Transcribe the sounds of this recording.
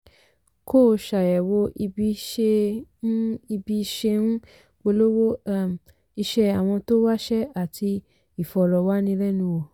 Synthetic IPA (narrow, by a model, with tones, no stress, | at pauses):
ko˦˨ʃa˨jɛ˨wo˧i˧bi˦ʃe˧˦ | i˧bi˧˦˧ʃe˧nũ˦ | wo˧lo˦wo˦a˦˨m˨ | i˧ʃɛ˧a˨w̃ɔ̃˧to˦wa˦ʃɛ˦a˨tʰi˧ | i˨fɔ˨ɾɔ˨wa˦nĩ˧˦lɛ˦nũ˧wo˨